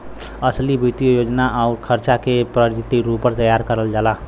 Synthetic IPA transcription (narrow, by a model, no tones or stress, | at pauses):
əslibit̪ijojod͡ʒnaʔaʊɾkʰəɾt͡ʃakepɾəɾd͡ʒit̪iɾuppːəɾt̪əjaɾkəɾəld͡ʒala